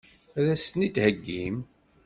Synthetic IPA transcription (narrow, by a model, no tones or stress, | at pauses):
æðæsnit̪həɡːim